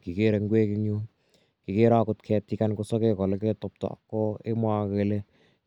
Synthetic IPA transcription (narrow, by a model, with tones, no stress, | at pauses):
ki˨ke˦ɾe˨ŋɡwe˦ki˦ɲu˦ | ki˨ke˦ɾa˦kʊtkʰɛ˧ti˦ka˦nkosɔ˦ke˦kɔ˨le˦ke˦tɔ˧p̚tɔ̰˨kːɔ˦e˦mwa˦ke˧le˦